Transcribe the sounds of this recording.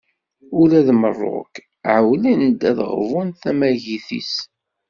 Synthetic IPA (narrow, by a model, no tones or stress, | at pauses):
ʊlæðmərˤːo̰k | ʕəwlinəd̪æðʁvˤʊnθæmæʝiθḭs